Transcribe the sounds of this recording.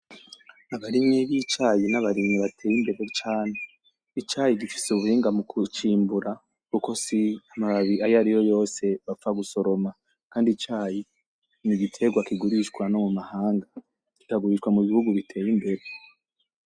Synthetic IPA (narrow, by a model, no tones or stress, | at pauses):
aβaɾimɲiβit͡ʃaːjinaβaɾimɲiβatʰe̞ːjimbe̞ɾe̞t͡ʃaːne̞ | it͡ʃaːjiɟifi̥suβuhiːŋɡamukut͡ʃiːmbuɾa | kuko̞siamaβaβiajaɾijo̞jo̞ːse̞βafaɡuso̞ɾo̞ma | kaːndit͡ʃaːji | niɡitʰe̞ɡwakiɡuɾiʃkwano̞mumahaːŋɡa | ki̥kaɡuɾiʃkwamuβihuɡuβitʰe̞ːjimbe̞ɾe̞